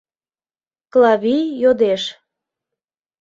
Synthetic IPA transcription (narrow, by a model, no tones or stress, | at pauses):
klɑβijjod̪eʃ